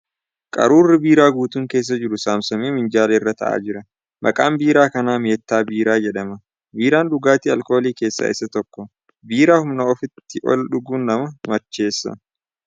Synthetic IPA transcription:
kʼɐ̰ɾuːrːɪbiːɾaːɡuːt̪uːŋkeːs̬ːɐd͡ʒɪɾʊsaːmsɐmeːmɪnd͡ʒaːlɐɪrːɐt̪ɐ̰ʔa̰ːd͡ʒɪɾɐ | mʔɐ̰kʼaːmbiːɾaːkɐnaːme̞ːt̪ːaːbiːɾaːd͡ʒɛᶑɐmɐ | biːɾaːnᶑʊɡaːt̪iːɐlko̞ːliːke̞ːsːa̰ːʔɪ̰sːɐt̪ɔkːɔ | biːɾaːhʊmnɐɔfɪt̪ːɪʔɔ̰lᶑʊɡuːnːɐmɐmɐt͡ʃːe̞ːsːɐ̰

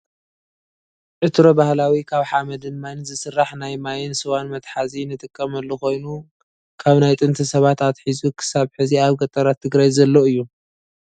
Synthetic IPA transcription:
ʕɨt̪ɾobahlawikʰaβħamɐd̪ɨnmajnzɨsɨrːaħnajmajɪnsɨwanmɐt̪ħazinɨt̪ʼɨkʼːɐmɐlːuxo̞jnu | kʰaβnajt̪ʼɨnt̪ʰisɐβat̪at̪ħizukʰɨ̥saβħɨziaβɡɐt̪ʼːɐɾat̪ʰːɨɡɾajzɐlːoɨjːu

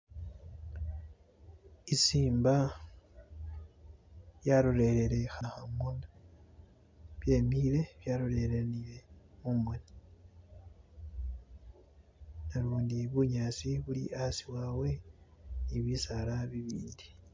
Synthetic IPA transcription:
isiːmba | jaɾoɾe̞ɾeɾe̞xahamona | βje̞ːmile̞βjaːɾoɾe̞ɾeniɾe̞mumweni | naluːndiβuɲaːsiβulḭʔasiwawe̞niβisalaβiβḭːndi

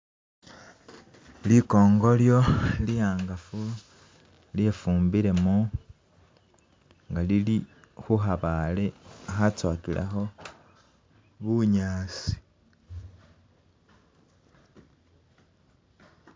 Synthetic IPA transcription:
liko̞ːŋɡo̞ljo̞lijaːŋɡafu | ljefuːmbiɾe̞mo | ŋɡalilixuxaβaleaxat͡swaːkilʔa̰xo̞ | βuɲaːsi̥

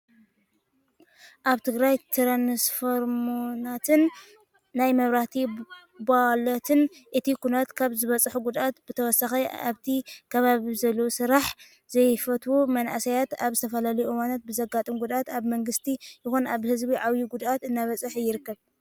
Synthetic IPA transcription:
ʔaβt̪ʰɨɡɾajt̪ʰɨɾanɨsfoɾmonat̪ʰɨnː | ajmɐβɾaht̪ʰibalot̪ʰɨnʔɨt̪ʰikʰunat̪kʰaβzɨβɐt͡sʼħuɡud̪ʔat̪bɨt̪ʰɐwɔsaxɐa̰βt̪ʰikʰɐβaβizɐlːosɨɾaħ | z̥ɐjfɐt̪ʰwumɐnaʔasɐjat̪aβzɨt̪ʰɐfɐlalɐjuɨwanat̪̚bɨzɐɡat̪ʼɨmɡud̪at̪aβmɐŋɡɨst̪ʰijɪxonaβhɨzbiʕawjiɡud̪at̪ɨnːaβɐt͡sʼɨħjɪɾɨkːɐβ

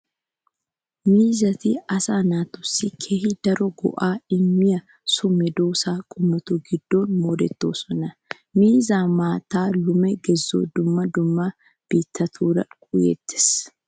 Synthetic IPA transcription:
miːzɐt̪iɐsaːnaːt̪ʊsːɪkʰeːhɪd̪ɐɾɔɡɔ̰ʔaːɪmːɪjɐ | sʊmːɛd̪oːsaːkʼʊmːɐt̪ʊɡɪd̪ːo̞ːnmoːd̪ɛt̪ːoːsɔnɐ | miːzaːmaːt̪aːlʊmɛɡɛzːo̰ːd̪ʊmːɐd̪ʊmːa | b̥iːt̪ːɐt̪ʰuːɾɐ̰kʼʊjɛ̰t̪ːɪ̥s

